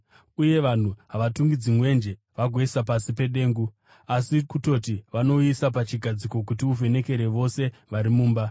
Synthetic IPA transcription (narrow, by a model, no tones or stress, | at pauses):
uje̞ʋan̤uɦaʋatuŋɡid͡zimwe̞nd͡ʒe̞ | ʋaɡʱwe̞sapasipe̞ɗe̞ːŋɡu | asikuto̞tiʋano̞isap̬at͡ʃiɡʱad͡ziko̞k̬utiuve̞ne̞ke̞ɾeʋo̞se̞ʋaɾimuːmba